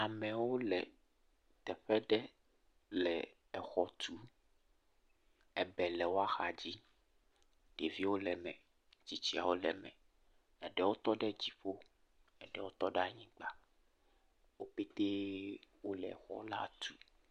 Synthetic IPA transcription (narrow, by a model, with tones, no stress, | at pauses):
a˨mɛ̃˨wo˦lɛ̰˨ | t̪ɛ˨ɸɛ˦ɖɛ˦ | lɛ˨ | ɛ˨xɔ˨t̪ʰu˨ | ɛ˨bɛ˨lɛ˨wo˦a˦xa˨d͡ʑi˦ | ɖ̥e˨vi˦wo˦lɛ˨mɛ̰̃˨ | t͡ɕi˦t͡ɕi˦a̰˨wo˦lɛ̰˨mɛ̰̃˨ | ɛ˨ɖɛ˦wo˦t̪ɔ˦ɖɛ˦d͡ʑi˨ɸo˦ | ɛ˨ɖɛ˦wo˦t̪ɔ˦ɖa˦ɲĩ˦ɡ͡ba˨ | wo˦pe˦t̪e˦wo˦lɛ˨ɛ̰˨xɔ̰˦la̰˦t̪u˦